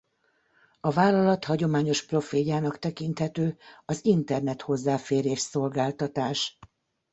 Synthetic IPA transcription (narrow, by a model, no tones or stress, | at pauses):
ɒvaːlːɒlɒt̪hɒɟo̞maːɲo̞ʃpro̞feːjaːnɒkt̪ɛkint̪hɛt̪øːɒzint̪ɛrnɛt̪ho̞zːaːfeːɾeːʃso̞lɡaːlt̪ɒt̪aːʃ